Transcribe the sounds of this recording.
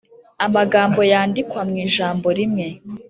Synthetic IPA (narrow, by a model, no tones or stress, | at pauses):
amaɡaːmbo̞jaːndikwamŋiːʒaːmbo̞ɾimŋe̞